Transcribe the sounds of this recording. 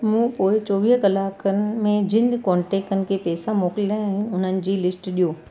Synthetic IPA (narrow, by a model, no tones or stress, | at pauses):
mũːpoːɪt͡ɕɔːʋɪɦkɐlaːkənɪmẽd͡ʑɪnkɔ̃ːɳʈeːkənɪ̆kʰeːpɛːsamoːkɪld̪ãɪ̃ʊn̤ənɪ̆d͡ʑiːlɪsʈɗijoː